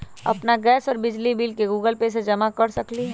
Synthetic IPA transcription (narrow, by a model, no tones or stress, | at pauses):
ɐ̰pnaɡɛːsɔːɾbɪd͡ʒlibilkeɡuːɡəlpesed͡ʒɐmakɐɽsɐkli